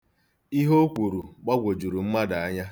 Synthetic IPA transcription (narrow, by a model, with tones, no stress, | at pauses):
i˦ɦo˦kʷu˨ɾu˨ɡ͡ba˦ɡʷo˨d͡ʒu˨ɾu˨ŋ͡m̩˦ma˦da˨a˦ɲa˦